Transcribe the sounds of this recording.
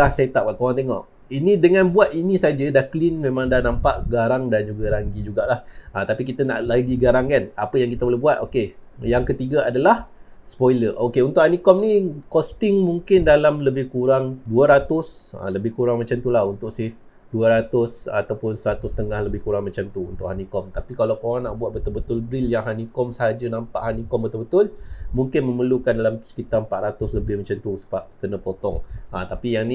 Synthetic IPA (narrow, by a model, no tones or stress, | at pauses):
lahset̪ap̚kaʔkoɾaŋt̪eŋɔ̰ʔ | inĩdəŋãnbuat̪̚inĩsad͡ʒədaklinmẽmãŋdahnampaʔɡaɾaŋdand͡ʒuɡaɾaŋɡid͡ʒuɡaʔlahat̪apik̬it̪əna̰ʔlaɡiɡaɾaŋkanapəjaŋkit̪əboleɦbuat̪̚oke | jaŋkət̪iɡaadalahspojləʔokeunt̪ʊʔ̚anikɔm̚nikɔst̪ɪŋmuŋkɪndalamləbɪhkuɾaŋduəɾat̪ʊsa̰ləbɪhkuɾaŋmat͡ʃamt̪ulahunt̪ʊʔsɪf | duəɾat̪ʊsa̰t̪awpʊnsəɾat̪ʊst̪əŋahləbɪhkuɾaŋmat͡ʃamt̪uṵnt̪ʊ̰ʔhanikɔmt̪apikalawkoɾaŋnaʔbuat̪̚bət̪ʊlbət̪ʊlbɾɪljaŋɦanikɔmsəɦad͡ʒənampa̰ʔhanikɔmbət̪ʊlbət̪ʊlmuŋkɪnmə̃məlukandalamt̪u̥sə̥kit̪ampaʔɾat̪ʊsləbɪhmat͡ʃamt̪usə̥bap̚kənə̃pot̪ɔŋʔat̪apijaŋni